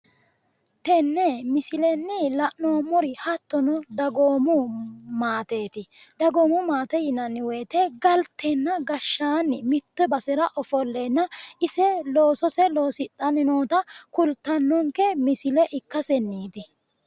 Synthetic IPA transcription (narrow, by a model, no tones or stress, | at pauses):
t̪ɛnːɛmɪsɪlɛnːɪlɐʔnoːmɔɾɪhɐt̪ːɔnɔd̪ɐɡoːmʊmaːt̪eːt̪ɪd̪ɐɡoːmʊmaːt̪ɛjɪnɐnːɪweːt̪ɛɡɐlt̪ːɛnːɐɡɐʃːaːnːɪmɪt̪ːɔbɐsɛɾɐʔɔfɔlːɛnːɐʔɪsɛloːsɔsɛlo̞ːsɪt̪ʼːɐnɪnoːt̪ɐkʊlt̪ːɐnːɔŋkɛmɪsɪlɛʔɪkːɐsɛnːiːt̪ɪ